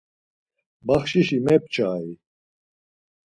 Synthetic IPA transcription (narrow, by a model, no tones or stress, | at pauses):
bɐχɕiɕimep̚t͡ɕʰaːi